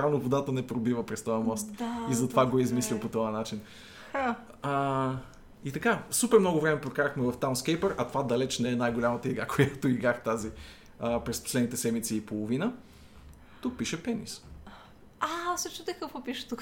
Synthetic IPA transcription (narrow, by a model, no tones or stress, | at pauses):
t̪ɾavnovod̪at̪ənɛpɾobivəpɾɛst̪ɔjɐmɔst̪izɐt̪ovaɡoizmislʲipot̪ɔjɐnat͡ʃin | it̪ɐkasupɛɾmnɔɡʊvɾɛmɛpɾokaɾəxmɛvɐft̪anskɛjpəɾɐt̪ovad̪ɐlɛt͡ʃnɛɛnajɡolʲamət̪əiɡɾakʰojat̪oiɡɾaxt̪azi | pɾɛspo̥slɛd̪nit̪ɛsɛd̪mit̪siːpolˠovinə | t̪uk̚piʃɛpɛnḭs | asot͡ʃit̪ɛkəfopiʃɛ̥t̪uk